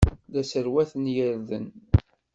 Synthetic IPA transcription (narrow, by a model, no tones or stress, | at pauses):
ðæsəɾwæθənjəɾðə̰n